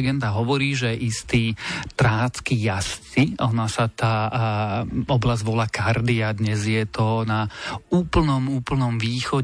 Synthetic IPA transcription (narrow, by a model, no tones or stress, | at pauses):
ɡɛnd̪aɦɔʋɔɾiːʒɛɛʔist̪iːt̪ɾaːt͡skijast͡siɔnasat̪aː | ɔblazʋɔlakaɾd̪iad̪ɲɛzjɛt̪ɔnauːpl̩nɔmuːpl̩nɔmʋiːxɔ